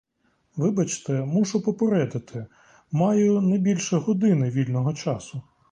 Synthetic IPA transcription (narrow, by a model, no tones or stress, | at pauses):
ʋɪbɐt͡ʃt̪ɛmuʒʊpɔpeɾɛd̪ɪt̪ʰɪ | mɑjʊnɐjbʲilʲʃɛɦɔd̪ɪnɪʋʲilʲnɔɦɔt͡ʃɑsʊ